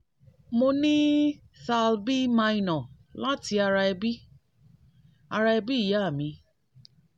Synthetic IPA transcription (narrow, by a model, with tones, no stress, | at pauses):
mo˧nĩ˦ | sa˧lbi˦mã˧i˧nɔ̃˨ | la˦ti˧a˧ɾa˧ɛ˧bi˦ | a˧ɾa˧ɛ˧bi˦i˦˨ja˦˨mĩ˧